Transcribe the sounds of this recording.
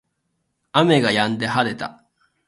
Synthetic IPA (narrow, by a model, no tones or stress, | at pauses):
ame̞ɡajãnd̪e̞ɦaɾe̞t̪a̰